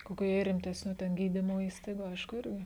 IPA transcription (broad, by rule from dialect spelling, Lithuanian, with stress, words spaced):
ˈkoːkʲʊ jɛɪ rʲɪmʲˈtʲæːsʲnʲʊ tʲɛn ˈɡʲiːdʲiːmoː ˈiːstɐɪɡʊ ˈɐɪʃkʊ ˈɪrʲɡʲɪ